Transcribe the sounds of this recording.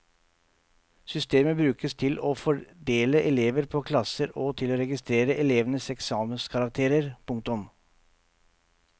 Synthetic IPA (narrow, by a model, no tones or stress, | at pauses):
sʏst̪eːməbɾʉːkəst̪ʰɪloːfɔɖeːləʔɛleːʋəɾpʰoːkʰlɑsəɾoːt̪ʰɪloːɾɛɡɪst̪ɾeːɾəʔɛleːʋənəsɛksɑːmənskʰɑɾɑk̚t̪ʰeːɾəɾpʰʊŋk̚t̪ʊm